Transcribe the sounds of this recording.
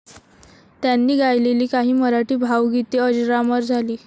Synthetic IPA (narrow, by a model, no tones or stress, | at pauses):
t̪janːiːɡajleliːkaɦiːməɾaʈiːbʱawɡit̪eəd͡ʑɾaməɾd͡zʱaliː